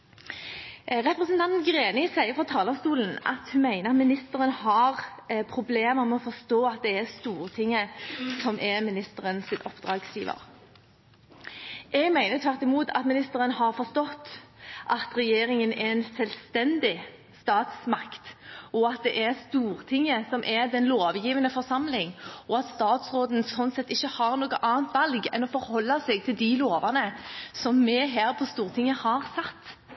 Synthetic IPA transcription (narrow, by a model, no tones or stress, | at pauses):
ʁɛpɾəsnt̪ɑnt̪nɡʁeːnɪsæɪəfɔt̪ʰɑːlɔmst̪uːln̩ʔɑ̰t̪hʉnmæɪnəʁɑt̪mɪnɪst̪əɾənəhɑʁpʰɾʊbleːməʁmɛɔfɔst̪oːɑt̪̚d̪ɛɛst̪uːɾt̪ʰɪŋːəsɔmʔɛmɪnɪst̪əʁənsɪt̪ɔpd̪ɾɑːɡsjiːʋə̰ɾ | ʔɛɡmæɪnət̪ʰʋæʁt̪ɪmuːt̪ʰɑ̰t̪mɪnɪst̪əʁənəhɑʁfɔst̪ɔt̪ːʔɑt̪ʁɛjeːɾɪŋənɛɛnsɛlst̪ɛnd̪ɪ | st̪ɑːt̪smɑkt̪ʔɔɑt̪̚d̪ɛʔɛɾst̪uːɾt̪ʰɪŋːəsɔmʔɛd̪ɛnloːʋjiːʋənəfɔʁsɑmlɪŋʔɔɑt̪st̪ɑːt̪sʁoːd̪n̩sɔnt̪sɛt̪ːɪçːəhɑʁnoːɡəʔɑːnt̪ʰʋɑlɡɛnɔfɔɾhɔlːɑsɛɡt̪ʰɪld̪ɪloːʋɑnəsɔmːɛɦæːɾpʰɔst̪uːʁt̪ʰɪŋːəhɑʁsɑt̪ː